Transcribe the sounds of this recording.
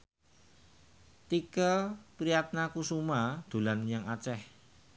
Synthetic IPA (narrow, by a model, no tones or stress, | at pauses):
t̪ikəpɾijat̪̚nakusumad̪̥ṳlanɲaŋat͡ʃɛh